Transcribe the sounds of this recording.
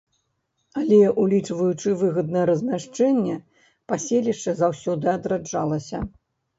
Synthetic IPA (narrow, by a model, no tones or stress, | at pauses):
alʲɛʔulʲit͡ʂvɐjut͡ʂɨvɨɣɐd̪̚nɐjɛɾɐzʲmʲaʂt͡ʂɛnʲːɛ | pasʲelʲiʂt͡ʂɐzawsʲɔd̪ɨad̪ɾad͡ʐalˠɐsʲɐ